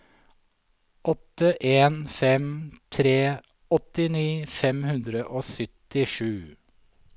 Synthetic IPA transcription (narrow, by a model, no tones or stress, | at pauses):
ʔɔt̪ːəʔeːnfɛmt̪ʰɾeː | ɔt̪ɪniːfɛmhʉnd̪ɾəʔoːsʏt̪ɪʂʉː